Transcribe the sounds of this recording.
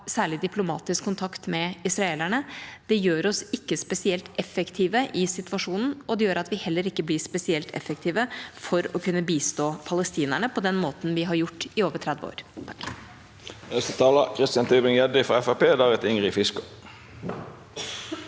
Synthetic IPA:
sæːɭɪd̪ɪpʰlʊmɑ̰ːt̪ɪskʰːʊnt̪ʰɑkt̪mɛɪsɾɑeːlæɳəd̪̥ɛjøːɾɔsɪkːəspɛsɪɛlt̪ɛfɛkt̪ʰiːʋəʔɪsɪt̪ʋɑʂuːnn̩ɔd̪ɛjøːɾɑt̪ʋɪhɛlːəɾɪkːəblɪːspɛsɪɛlt̪ʰɛ̰fɛk̚t̪ʰiːʋəfɔɾɔkʰʉnːəbiːst̪oːpʰɑləst̪iːnæɳəpʰɔd̪ɛnmoːt̪n̩ʋɪɦɑɾjʊʈːɪoːʋəʈʰɾɛd̪ʋəo̰ːɾt̪ʰ | ɛst̪ət̪ʰɑːləkʰʁɪst̪ɪjɑnt̪ʰyːbʁɪŋjɛd̪ɪfɔɛfæpeːd̪æːʁɛt̪ʏŋʁɪfɪskʊ̥

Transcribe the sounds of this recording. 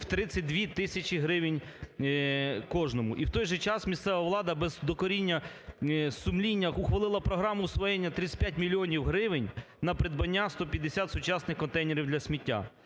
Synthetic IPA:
wt̪ɾɪsʲɐt̚ʲd̪ʲʋʲit̪ɪsʲɐt͡ʃʲiɦɾɪʋɪnʲ | kɔʒnɔmʊʔiwt̪ɔjʒɛt͡ʃɑsmʲist̪sɛʋɐʋlˠɑd̪ɐbɛzd̪ɔkɔɾʲinʲːɐ | sʊmlʲinʲːɐʊxʋɐlˠɪlˠɐpɾɔɦɾɑmʊːsʋɔjenʲːɐt̪ɾɪsʲpʲjat̚ʲmʲilʲiɔnʲiwɦɾɪʋɪnʲ | nɐpɾɪd̪̚bɐnʲːast̪ɔpʲjɐd̪esʲat̪sʊt͡ʃɑsnɪxkɔnt̪ɛjneɾʲiwd̪lʲɐsʲmʲitʲːa̰

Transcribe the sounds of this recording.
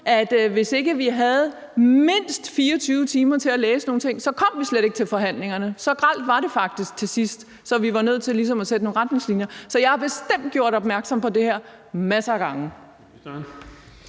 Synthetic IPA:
ʔæd̥ʋe̝se̝ɡ̥əʋiɦæð̞̩ˠ | me̝n̰sd̥fiːɐt͡sʰyːʊət͡sʰiːmɐt͡sʰe̝læleːsəno̝ːn̩t͡sʰe̝ŋ̰sɒ̽kʰɒ̽m̰ʋisleɾ̥e̝ɡ̥ət͡sʰe̝lfɒ̽ɦæn̰le̝ŋɐnəsɒ̽ɡ̥ʁɑl̰d̥ʋɑ̈ɾe̝fɑ̈ɡ̥̚d̥isɡ̥̚t͡sʰe̝sisd̥ | sɒ̽ʋiʋɑ̈nøð̞̰ˠt͡sʰe̝lis̬ɒ̽mæsed̥əno̝ːnʁad̥ne̝ŋslinjɐsɒ̽jɑ̈ɪhɑ̈b̥e̝sd̥em̰d̥̚ɡ̥jo̝ɐ̰ɾ̥ɒ̽b̥mæɐɡ̥sɒ̽mpʰɒ̽d̥e̝hæɐ̰ | mæsɐːɡ̥ɑ̈ŋə

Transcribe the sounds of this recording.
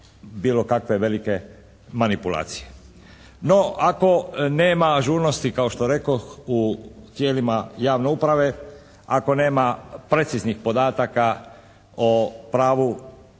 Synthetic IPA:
biːlokakʋe̞ʋe̞like̞ | manipulˠa̰ːt̪sije | no̞ako̞ne̞ːmaʒuːɾnost̪ikaoʃt̪oɾe̞koxut̪je̞ːlimajaːʋne̞upɾaʋe̞ | ako̞ne̞ːmapɾe̞t̪siznixpo̞d̪aːt̪aka | opɾaːʋu

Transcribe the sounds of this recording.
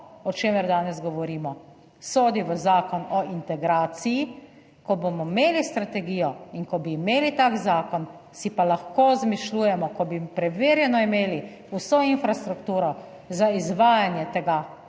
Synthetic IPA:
ɔt͡ʃeːmɛɾd̪aːnɛzɡɔʋɔɾiːmɔ | soːd̪iʋəzaːkɔnɔint̪ɛɡɾaːt̪siji | kɔbomɔmeːlist̪ɾat̪ɛɡiːjɔinkɔbiːmeːlit̪aːkzaːkɔn | sipalaxkozmiʃluːjɛmɔkɔbipɾɛʋeːɾjɛnɔimeːli | usɔinfɾast̪ɾukt̪uːɾɔ | zaizʋaːjanjɛt̪ɛɡa

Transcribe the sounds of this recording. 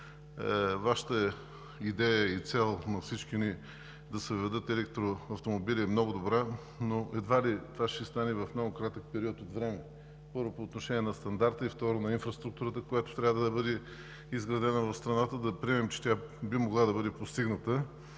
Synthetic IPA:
vaʃə̥t̪ə | id̪ɛjəit̪sɛlˠnɐfsit͡ʃkʲiʊni | d̪ɐsəvɛd̪ɤt̪ɛlɛk̚t̪ɾoɐft̪omobilʲiɛmnɔɡʊd̪obɾa | noɛd̪valit̪ovaʃɛst̪anɛvɐfmnɔɡʊkɾat̪ək̚pɛɾiɔt̪ot̪vɾɛmɛ | pɤɾvopoːt̪noʃɛniɛnɐst̪ɐnd̪aɾt̪əift̪ɔɾʊnɐinfɾɐst̪ɾuk̚t̪uɾət̪əkojat̪o̥t̪ɾʲavəd̪ɐd̪ɐbɤd̪ɛ | izɡɾɐd̪ɛnəvɐfst̪ɾɐnat̪əd̪ɐpɾiɛmɛmt͡ʃɛ̥t̪ʲabimoɡlˠad̪ɐbɤd̪ɛpost̪iɡnət̪ə

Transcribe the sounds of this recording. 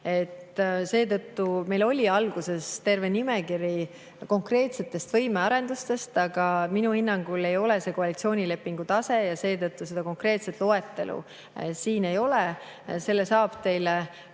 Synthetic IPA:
e̞t̪ːse̞ːt̪ɤt̪ːume̞jlo̞lʲiɑlɡ̥use̞st̪e̞rve̞nime̞kiɾi | ko̞ŋkre̞ːt̪se̞t̪ːˑe̞st̪vɤjme̞ɑɾe̞nd̪ust̪e̞st̪ɑɡ̥ɑminuhinːɑŋɡ̥ule̞jo̞le̞se̞ːko̞ɑlit̪sio̞ːnʲile̞pːˑiŋɡ̥ut̪ɑse̞jɑse̞ːt̪ɤt̪ːˑuse̞d̪̥ɑko̞ŋkre̞ːt̪set̪lo̞e̞t̪ːe̞lṵ | siːne̞jo̞le | se̞lːesɑːb̥t̪e̞jle

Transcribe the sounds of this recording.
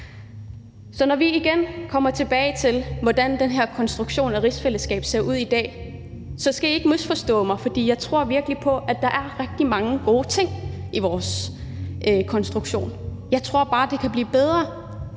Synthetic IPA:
sɒ̽nɒʋiiɡ̥enkʰɒ̽m̰ɐt͡sʰe̝b̥ɛːɪt͡sʰe̝lʋɒd̥ænd̥enɦæɐ̰kʰɒ̽nsd̥ʁuɡ̥ɕo̝̰ːnæʁisfeləsɡ̥ɛ̰ːb̥se̝ɐ̰ʔuð̞̰ˠid̥ɛ̰ː | sɒ̽sɡ̥æjɑ̈e̝ɡ̥misfɒ̽sd̥ɔ̰̽ːmɑ̈ɪfɒ̽d̥ḭːjɑ̈ɪt͡sʰʁo̝ɐ̰ʋiɐɡ̥əlipʰɒ̽ʔæd̥ɑ̈ʔæɐʁɛɡ̥̚d̥imɑ̈ŋəɡ̥o̝ːt͡sʰe̝ŋ̰iʋɒːs | ʔøkʰɒ̽nsd̥ʁuɡ̥ɕo̝̰ːnjɑ̈ɪt͡sʰʁo̝ɐ̰b̥ɑ̈ːd̥e̝kʰæb̥lḭːb̥eð̞ˠʁɐ

